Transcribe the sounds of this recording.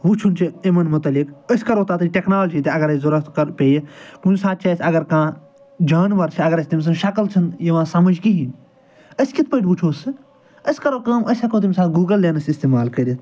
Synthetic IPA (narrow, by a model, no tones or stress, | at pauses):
ʋut͡ʃʰunt͡ʃʰiimɐnmʊt̪ɐlikəsʲkɐɾoːt̪aːt̪ɐʈeknaːld͡ʒiːt̪eɐɡɐɾɐsʲzuɾɐt̪kɐɾpʲeːjkunʲsaːt̪̚t͡ʃaːsʲɐɡɐɾkãː | d͡ʒaːnʋɐɾt͡ʃʰiɐɡɐɾɐsʲt̪ims̬ɨnʃɐkɐlt͡ʃʰɐnjiʋãːsɐmɐd͡ʒkiɦin | əsʲkʲit̪̚pəʈʲʋut͡ʃʰoːsɨ | əsʲkɐɾoːkaːmʔəsʲɐkõːt̪̬imsaːt̪̚ɡuːɡɐlːeːnɐsist̪eːmaːlkɐɾʲit̪ʰ